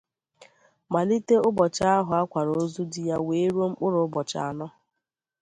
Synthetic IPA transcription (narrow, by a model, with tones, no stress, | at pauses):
ma˨li˦te˦ʊ˦bɔ˨t͡ʃa˦a˦ɦʊ˨a˦kʷa˨ɾo˨˦zu˦dɪ˨ja˦weː˨˦ɾo˦ŋ͡m̩˦k͡pʊ˦ɾʊ˨˦ʊ˦bɔ˨t͡ʃa̰˨a˨nɔ˦